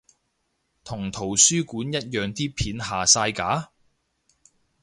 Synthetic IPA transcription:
t̪ʰʊ˨˩ŋt̪ʰo˨˩wsyː˥kuː˨˥njɐ˥t̚jœː˨ŋt̪iː˥pʰiː˨˥nɦaː˨saː˧jkaː˨˥

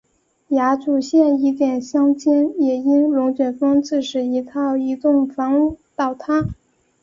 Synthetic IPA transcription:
ja˧˥ʈ͡ʂu˨˩ɕjɛ˥˩ni˧˥t̪jɛ˨˩nɕjɑ˥ŋt͡ɕjɛ˥njɛ˨˩i˥nɻʊ˧˥ŋt͡ɕɥɛ˨˩nfɤ˥ŋt͡sɹ̩˥˩ʂɻ̩˨˩i˧˥t̪ʰɑ˥˩ʊi˧˥t̪ʊ˥˩ŋfɑ˧˥ŋu˥˩t̪ɑ˥˩ʊt̪ʰa˥

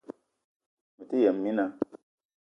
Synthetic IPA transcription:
mi˨ti˦jɛ˨mːi˦na˧

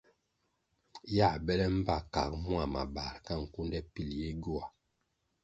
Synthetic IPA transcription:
ja˦˨bɛ˦lɛ˦m̩˦ba˦˨ka˨k̚mu˦a˨ma̰˨ba˨ɾka˦˨ŋ̩˨ku˦ndɛ˦pi˦˨lje˦ɡu˦a˨

